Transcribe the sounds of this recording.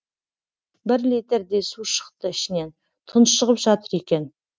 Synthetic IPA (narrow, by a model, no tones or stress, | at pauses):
bɪɾlit̪eɾd̪e̞suʃə̥qt̪əɪʃɪne̞n | t̪ʰənəsʃəʁəpʒ̥ɑt̪əɾe̞kʲe̞n